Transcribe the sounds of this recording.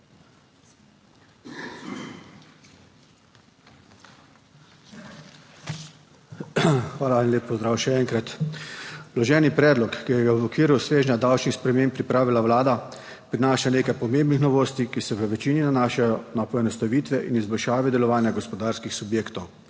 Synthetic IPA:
xʋaːlainlʲeːpːɔzd̪ɾaːwʃɛɛŋkɾat̪ | lɔʒɛːnipɾɛːd̪lɔkːijɛɡabɔkʋiːɾawsʋeːʒnʲad̪awt͡ʃnixspɾɛmeːmpːɾipɾaːʋilaʋlaːd̪a | pɾinaːʃaneːkajpɔmeːmbnixnɔʋoːst̪ikisɛʋəʋɛt͡ʃiːninanaːʃajɔnapɔɛnɔst̪aʋiːt̪ʋɛʔinizbɔlʃaːʋid̪ɛlɔʋaːnjaɡɔspɔd̪aːɾskixsubjeːkt̪ɔw

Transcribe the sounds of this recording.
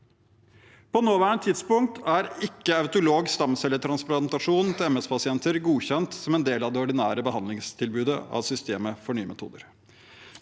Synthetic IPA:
pʰɔnoːʋæːɳət̪ʰːɪd̪spʊŋkt̪ʰæɾɪkːəɑʉt̪ʊloːɡst̪ɑmsɛlːəʈʰɾɑnsplɑnt̪ɑʂuːnnt̪ʰɪɛmɛspʰɑsɪɛnt̪əɾɡuːçɛnt̪sɔmɛnd̪eːlɑʋd̪ɛːɔɖɪnæːɾəbəɦɑnlɪŋst̪ʰɪlbʉːd̪əɑ̰ʋsʏst̪eːməfɔɳyːəmɛ̰t̪ʰṵːd̪əɾ

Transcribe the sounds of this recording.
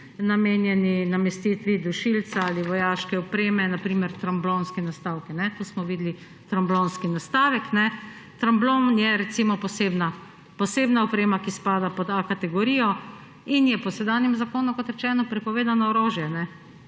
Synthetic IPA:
nameːnjɛninamɛst̪iːt̪ʋid̪uʃilsaaliʋɔjaːʃkɛɔpɾeːmɛnapɾiːmɛɾt̪ɾamblonskɛnast̪aːwkɛnɛt̪oːsmɔʋiːd̪li | t̪ɾamblonskinast̪aːʋɛknɛ | t̪ɾamblonjɛɾɛt̪simɔpɔseːbna | pɔseːbnaɔpɾeːmakispaːd̪apɔt̪akat̪ɛɡɔɾijɔ | injɛpɔsɛd̪aːnjɛmzakoːnukɔt̪ɾɛt͡ʃɛːnɔpɾɛpɔʋeːd̪anɔɔɾoːʒjɛnɛ

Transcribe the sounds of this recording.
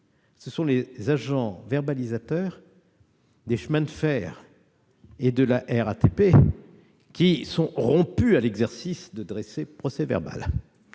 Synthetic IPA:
səsɔ̃lezaʒɑ̃vɛʁbalizat̪œʁ | d̪eʃmɛ̃nfɛːʁ | ed̪əlaʔɛʁa̰t̪epe | kʲisɔ̃ʁɔ̃pyalɛɡzɛʁsisd̪əd̪ʁesepχɔsɛvɛ̰ʁba̰l

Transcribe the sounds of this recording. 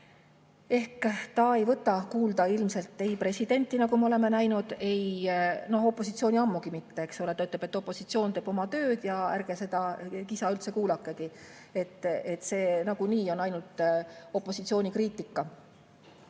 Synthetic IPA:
e̞hkt̪ɑe̞jvɤt̪ːˑɑkuːld̪̥ɑilmse̞lt̪ːe̞jpre̞sid̪̥e̞nʲt̪ˑːinɑɡumeo̞le̞me̞næjnud̪̥e̞jno̞ho̞pːˑo̞sit̪sio̞ːnʲiɑmːuɡ̥imit̪ːe̞eksolet̪ːɑyt̪lebe̞t̪ːˑo̞pːˑosit̪sio̞ːnt̪eːb̥o̞mɑt̪ø̞ːd̪̥jɑæ̰ɾɡ̥ese̞d̪̥ɑkisɑylt̪se̞kuːlɑkːˑe̞ki | e̞t̪ːˑet̪ːse̞ːnɑɡ̥uniːo̞nɑjnult̪o̞pːˑo̞sit̪sioːnikriːt̪ːikːɑ

